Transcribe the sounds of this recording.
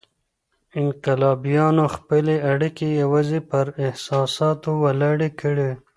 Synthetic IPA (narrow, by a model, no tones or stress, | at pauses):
ɪŋqɪlɑːbijɑnoxpəleaɽikejawɑzipəɾɪhsɑːsɑːt̪owalɑɽekəɽe